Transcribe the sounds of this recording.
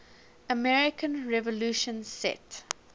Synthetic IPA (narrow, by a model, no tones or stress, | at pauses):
əmɛɹɪkʰə̃nɹɛvɔluːʃə̃nsɛ̰t